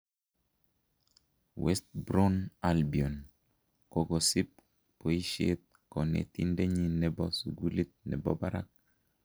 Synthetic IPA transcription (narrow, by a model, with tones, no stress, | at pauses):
wɛ˦st̪̚bɾo˦nalbi˨o˨n | ko˨ɡɔ˨si˦p̚ | po˨i˦ʃie˦t̪̚kɔ˨nḛ˨t̪i˦nde˦ɲi˦nɛ˨bɔ˦suɡu˦li˦t̪̚nɛ̰˨bɔ˦ba˦ɾa̰˦k̚